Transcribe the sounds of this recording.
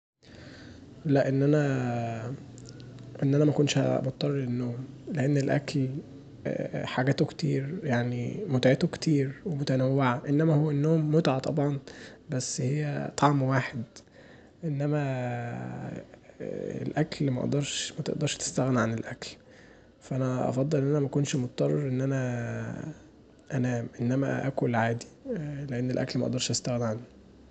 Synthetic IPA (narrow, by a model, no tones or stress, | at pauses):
ʔullːæʔenːʔænæ | ʔenːʔænæmækonʃhmot̪ˤːɑrˤːenːoːmleʔenːelʔæ̰kl | ħaɡæːt̪okt̪ḭːɾjaʕnimot̪ʕet̪okt̪iːɾwemot̪ænæwːeʕaʔenːæmæhowːænːoːmːot̪ʕat̪ˤɑbʕɑnbæsːhejːæt̪ˤɑʕmwaːħed̪ | ʔenːæmæ | ḛlʔæklmæʔɑ̰ʔd̪ɑɾˤʃmæt̪ḛʔd̪ɑɾˤʃt̪e̥st̪æɣnʕanelʔækl | fæʔænæʔɑ̰fɑd̪ˤːelʔenːʔænæmækonʃmot̪t̪ːˤɑrˤːɑɾˤʔenːʔænæ | ʔænæːmʔenːæmæ̰ʔæ̰kolʕaːd̪i̥leʔenːelʔæ̰klmæʔɑ̰ʔd̪ɑɾˤʃʔæst̪æɣnʕanːi